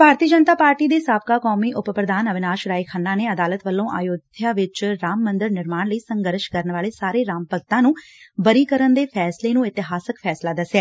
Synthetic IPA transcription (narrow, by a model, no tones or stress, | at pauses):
bʱaːɾt̪iːd͡ʒənt̪aːpaːɾʈiːd̪eːsaːb̚kaːkɔːmiːʔʊppɾəd̪aːnəʋɪnaːʃɾaːiːkʰaːnːãːneːəd̪aːlət̪ʋəlːõːʔa̰ːjoːd̪ʱjaːʋɪt͡ʃɾaːmːənd̪əɾnɪɾmaːnləiːsəŋɡəɾʃkəɾnʋaːleːsaːɾeːɾaːmpəɡ̚t̪ãːnũːbəɾiːkəɾənd̪eːpʰɛːsleːnũːɪt̪ɪɦaːsəkpʰɛːslaːd̪əsːɛː